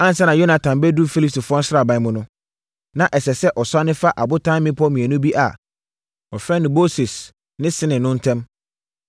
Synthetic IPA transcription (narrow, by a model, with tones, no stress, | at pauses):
ã˦n˨sɛ˦nã˨jo˦na˨tʰã˨mbɛ˦du˦fi˦li˦p̚sti˨fʊ˦ɔ̃˦n̩˦sɪɾa˨bã˨˦mʊ̃˦nʊ̃˦ | nã˨ʔɛ˨sɛ˨sɛ˦ʔɔ˨sa˦nɪ̃˦fa˦ʔa˨bʊ˦tʰã˦mɪ̃˦pʰɔ˦mĩ˨æ˨nʊ̃˦bi˦ʔa̰˨ | ɔ˨fɾɛ˦nɪ̃˨mo˦sɪ˨s | nɪ̃˦sɪ˦nɪ̃˨nʊ̃˦n̩˦tʰɛ̃˦m